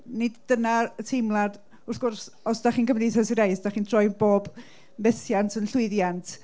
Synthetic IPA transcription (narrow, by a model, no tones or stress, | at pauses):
nɪdːənaətʰɪmlˠad | ʊrθɡ̥ʊrs | ɔsd̥aχiːnɡəmniθɛsiɾejsd̥aχiːntʰrɔjboːb | mɛθjantʰənɬʊɨðjantʰ